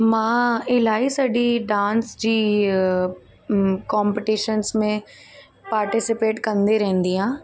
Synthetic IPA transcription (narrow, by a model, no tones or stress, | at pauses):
mãːɪlaːisəɖiɖãːnsd͡ʒiː | kɔːmpɪʈiʃənsmẽ | paːɾʈɪsɪpeːʈkəɾənd̪eɾɛ̃ːnd̪iːɦãː